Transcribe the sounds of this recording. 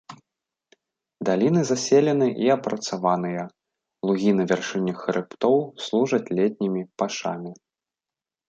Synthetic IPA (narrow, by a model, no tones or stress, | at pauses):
d̪alʲinɨzasʲɛlʲɛnɨʔiɐpɾɐt̪savanɨjɐ | lˠuɣʲinɐvʲarʂɨnʲːɨxɾɨpt̪ɔwslˠuʐɐt͡sʲlʲɛt̪̚ʲnʲimʲipaʂa̰mʲi